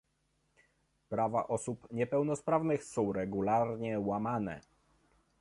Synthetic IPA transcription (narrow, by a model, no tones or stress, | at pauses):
pɾava̰ʔɔsupɲɛpɛwnɔspɾavnɘxsɔ̃w̃ɾɛɡulaɾɲɛwamanɛ̰